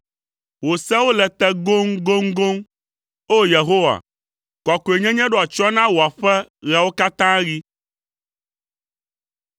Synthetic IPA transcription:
wo˨sɛ˦wo˦lɛ˨t̪ɛ˦ɡo˦ŋɡo˦ŋɡo˦ŋ | o˦je˨ɦo˦wa̰˨ | kɔ˨ko˨e˨ɲɛ̃˦ɲɛ̃˦ɖo˦˨a˨t͡ʃɔ˦nã˦wo˨a˨ɸɛ˦ɣɛ˨wo˦ka˦t̪ã˦ɣi˦

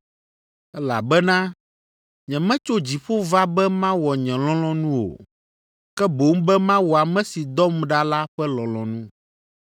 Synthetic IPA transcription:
ɛ˦la̰˨bɛ˦nã˦ | ɲɛ̃˨mɛ̃˦t͡ʃo˦d͡ʑi˨ɸo˦va˦bɛ˦mã˦wɔ˨ɲɛ̃˨lɔ̃˦lɔ̃˦nũ˦o̰˨ | kɛ˦bo˨˦ŋ̩˦bɛ˦mã˦wuɔ˨a˨mɛ̃˦si˨d̪ɔ˦mɖa˦la˦ɸɛ˦lɔ̃˨lɔ̃˨nũ˦

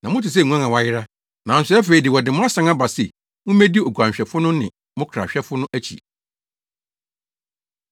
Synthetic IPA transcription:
nã˨mʊ̃˦tɪ˨s̬ɛ˦˨ŋũ˦ã˦ŋã˨wa˦jɪ˦ɾa˦ | nã˨n̩˦sʊ˦ɛ˦fe˨i˨dɪ˨wɔ˨dɪ˨mʊ̃˦a˦sã˨˦ŋa˦ba˨sɛ˨ | mʊ̃˦mæ̃˦di˦o˨ɡʷu˨ã˨ɕᶣɛ˨fʊ˦nʊ̃˦nɪ̃˨ | mʊ̃˦kʰa̰˨ɕᶣɛ˦fʊ˦nʊ̃˦ʔæ˦t͡ɕʰḭ˨

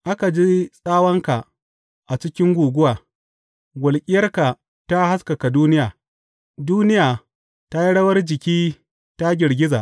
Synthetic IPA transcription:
ʔa˦ka˨d͡ʒiː˦sʼaː˦wɐ˦ŋka˨ | ʔa˨t͡ʃɪ˦kʲɪ˦ŋɡʷuː˨ɡʷʊ˦waː˨ | ɡʷɐ˨lkʲʼɪ˦jɐ˦rka˨ | ta˦ha˦ska˨ka˨duː˦nɪ˦jaː˨ | duː˦nɪ˦jaː˨ | ta˦ji˦ɽɐ˦wɐ˦rd͡ʒɪ˨kʲiː˦ | ta˦ɡʲɪ˨ɾɡʲɪ˦za˨ʔ

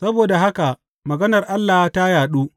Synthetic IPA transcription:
sɐ˦boː˨da˨ɦa˦ka˨ | mɐ˨ɡɐ˦nɐ˨rʔa˦lːaː˨hta˦jaː˨ɗuː˦

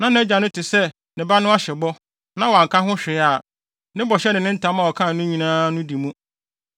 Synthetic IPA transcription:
nã˦n˨˦d͡ʑa˨nʊ̃˦tʰɪ˨sɛ˦ | nɪ̃˨ba˦nʊ̃˦a˦ɕɛ˨bɔ˦ | nã˦wa˨ŋ̩˨kã˦ɦʊ̃˦ɕᶣɪ˨˦a˨ | nɪ̃˦bɔ˨ɕɛ˦nɪ̃˨nɪ̃˦n̩˦tʰã˦mã˨wɔ˨kʰã˦˨nĩ˦ɲĩ˨nãː˦nʊ̃˦di˨mũ˦

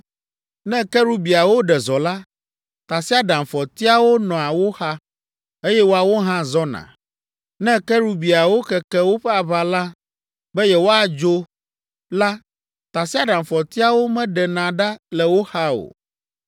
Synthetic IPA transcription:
nɛ̃˦kɛ˦ɾu˦bi˨a˨wo˦ɖɛ˨zɔ˨la˦ | t̪a˨si˦a˦ɖã˨mfɔ˨t̪i˦a˦wo˦nɔ̃˨a˨wo˦xa˦ | e˦jɛ˦wo˦a˨wo˦ɦã˦zɔ˦nã̰˨ | nɛ̃˦kɛ˦ɾu˦bi˨a˨wo˦kɛ˨kɛ˦wo˦ɸɛ˦a˨βa˨la˦ | bɛ˦jɛ˦wo˦a˨d͡ʒo˦ | la˦ | t̪a˨si˦a˦ɖã˨mfɔ˨t̪i˦a˦wo˦mɛ̃˦ɖɛ˨nã˨ɖa˦lɛ˨wo˦xa˦o̰˨

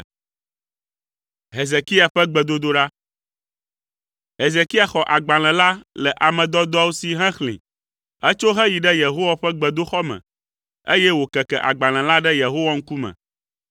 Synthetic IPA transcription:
ɦe˨ze˨ki˦a˨ɸɛ˦ɡ͡bɛ˨d̪o˦d̪o˦ɖa˦ | ɦe˨ze˨ki˦a˨xɔ˨ʔa˨ɡ͡ba˨l̃ɛ̃˨la˦lɛ˨ʔa˨mɛ̃˨d̪ɔ˦d̪ɔ˦wo˦si˨ɦɛ̃˦xlḭ̃˨ | ɛ˦t͡ʃo˦ɦɛ˦ji˨ɖɛ˦je˨ɦo˦wa˨ɸɛ˦ɡ͡bɛ˨d̪o˦xɔ˦mɛ̰̃˨ | e˦jɛ˦wo˨kɛ˨kɛ̰˨ʔa̰˨ɡ͡ba˨l̃ɛ̃˨la˦ɖɛ˦je˨ɦo˦wa˦ŋ̩˦ku˦mɛ̰̃˨

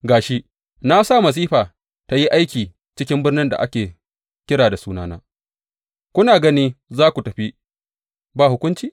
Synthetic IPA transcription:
ɡaː˨ʃi˦ʔ | na˦saː˦˨mɐ˨s̬iː˦ɸaː˨ | ta˦ji˦ʔa˦jkʲiː˨ | t͡ʃɪ˦kʲɪ˦mbɪ˦rnɪ˦nda̰˨ʔa̰˦kʲeː˨ | kʲɪ˦ɽaː˨da˨suː˦naː˦na̰ː˦ | kʷʊ˦naː˨ɡɐ˦niː˦zaː˦kʷu˨tɐ˨ɸi˦ | baː˦˨hʊ˦kʷʊ˦nt͡ʃiː˨

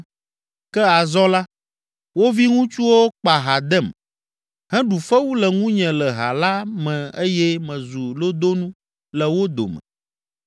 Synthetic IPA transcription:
kɛ˦a˨zɔ˦la˦ | wo˦vi˦ŋũ˦t͡ʃu˦wo˦k͡pa˨ɦa˨d̪ɛ˦˨m | hɛ̃˦ɖu˨fɛ˦wu˦lɛ˨ŋũ˦ɲɛ̃˨lɛ˨ɦa̰˨la˦mɛ̃˨e˦jɛ˦mɛ̃˨zu˨lo˦d̪o˦nũ˦ | lɛ˨wo˦d̪o̰˨mɛ̰̃˨

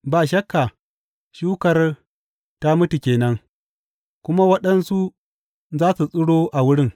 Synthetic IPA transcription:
baː˨ʃɐ˦kːa˨ | ʃuː˦kɐ˨r | ta˦mʊ˦tu˨kʲeː˨nɐ˦ŋ | kʷʊ˦ma˦wɐ˦ɗɐ˦nsu˦ | zaː˦su˨sʼʊ˦ɽoː˦ʔa˨wʊ˦ɽɪ˦ŋ

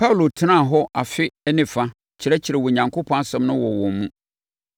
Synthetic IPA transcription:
pʰa˦wu˨lo˨tʰɪ˦nã˦˨ɦɔ˦ʔa˨fɪ˦ɛ˦nɪ̃˨fa˦ | t͡ɕʰɪ˨ɾɛ˦t͡ɕʰɪ˨ɾɛ˨wɔ˨ɲã˨ŋkʰo˦pʰɔ̃˦a˦sɛ̃˦mnʊ̃˦wɔ˨wɔ̃˨m˦mũ˦

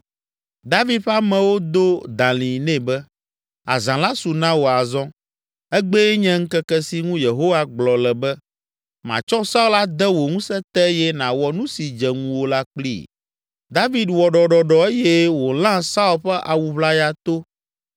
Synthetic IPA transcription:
d̪a˦vi˦d̪ɸa˦mɛ̃˨wo˦d̪o˦d̪ã˨lĩ˨nɛ̃˦bɛ˦ | a̰˨zã˨la˦su˨nã˦wo˨a˨zɔ̃˦ | ɛ˦ɡ͡bɛ˦ɲɛ̃˦ŋ̩˦kɛ˦kɛ˦si˦ŋũ˦je˨ɦo˦wa˦ɡ͡blɔ˨lɛ˨bɛ˦ | mã̰˨t͡ʃɔ˦sa˦u˦la˦d̪ɛ˦wo˨ŋũ˦sɛ˦t̪ɛ˦jɛ˦nã˨wɔ˨nũ˦si˨d͡ʒɛ˨ŋũ˦wo˦la˦k͡plḭ˦˨ | d̪a˦vi˨d̪wɔ˨ɖɔ˨ɖɔ˨ɖɔ˨e˦jɛ˦wo˨l̃ã˦sa˦u˦lɸɛ˦ʔa˨wu˨βla˦ja˦t̪o˦

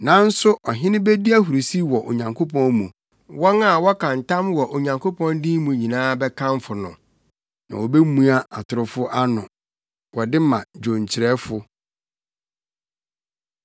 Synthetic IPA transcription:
nã˨˦n̩˦sʊ˦ʔɔ˨ɦɪ̃˦nɪ̃˦be˦di˦a˦ɦu˨ɾi˨si˦wɔ˨ʔo̰˨ɲã˨ŋkʰo˦pʰɔ̃˦nmũ˨ | wɔ̃˦na˨wɔ˦kʰã˨n˨tʰã˦mwɔ˨ʔo˨ɲã˨ŋkʰo˦pʰɔ̃˦ndĩ˦mũ˨ɲĩ˨nãː˦bɛ˦kʰã˦m˦fʊ˨nʊ̃˨ | nã̰˨wo˨be˦mũ˦a˦a˨tʰʊ˨ɾʊ˦fʊ˦ʔa˦nʊ̃˨ | wɔ˨dɪ˦mã˨d͡ʑᶣõ˨ɲt͡ɕʰɪ˨ɾɛ˦fʊ˦

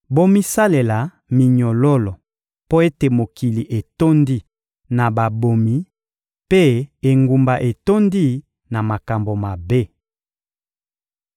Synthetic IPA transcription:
bo˦mi˦sa˦le˨la˨ | mi˨ɲɔ˨lɔ˦lɔ˨ | po˦e˦te˨mo˨ki˨li˨ʔe˨to˦ndi˦ | na˨ba˨bo˨mi˨ | pe˦e˨ŋɡu˨mba˨ʔe˨to˦ndi˦ | na˨ma˨ka˨mbo˨ma˨be˦

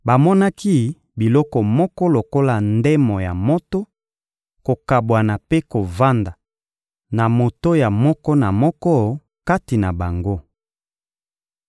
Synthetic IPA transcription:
ba˨mɔ˦na˦ki˦ | bi˨lɔ˦kɔ˨mɔ˦kɔ˦lo˨ko˦la˨ndɛ˦mɔ˨ja˨mɔ˦to˦ | ko˨ka˨bwa˨na˨pe˦ko˨va˦nda˨ | na˨mo˨to˦ja˨mɔ˦kɔ˦na˨mɔ˦kɔ˦ | ka˦ti˨na˨ba˨ŋɡo˦

